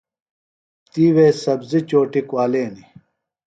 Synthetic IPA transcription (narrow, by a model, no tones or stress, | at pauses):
t̪iːweːsɐbzit͡ɕoːʈikwaːleːni